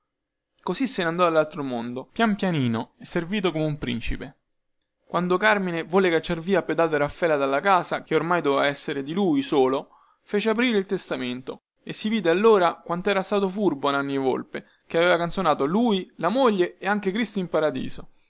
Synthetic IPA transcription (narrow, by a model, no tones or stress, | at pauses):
kosisːenand̪ɔalːalt̪ɾomond̪opjampjaniːnoɛsːerviːt̪̬okomeumpɾḭnt͡ʃipe | kwand̪okarminevoːlːekat͡ʃːarviːaped̪aːt̪oɾafːɛːlad̪alːakaːsak̟eormajd̪ovevaɛsːeɾed̪iluːjsoːlo | feːt͡ʃeap̬ɾiːɾeilt̪est̪ament̪o | esːiviːd̪ealːoːɾakwant̪oɛːɾast̪aːt̪ofurbonanːievo̰lpe | keaveːvakant̪sonaːt̪oluːilamoʎːeeaŋk̟ekɾist̪oimpaɾad̪ḭːzo